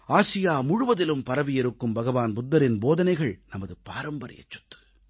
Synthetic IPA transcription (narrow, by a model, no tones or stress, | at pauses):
aːsɪjaːmʊɻʊʋɐðɪlɯmpɐɾɐʋɪjɛɾɯkːɯmbɐɣɐʋaːnbʊd̪ːɐɾɪnboːðɐnɐɪɣɐɭnɐmɐðɯpa̰ːɾɐmbɐɾɪ̰jɐ̰t͡ʃːɐ̥t̪ːɯ̥